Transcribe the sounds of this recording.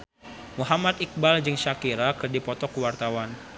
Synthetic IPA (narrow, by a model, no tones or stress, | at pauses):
muɦamat̪ik̚bald͡ʒɨŋʃakiɾakɨrdipɔt̪ɔkuwart̪awan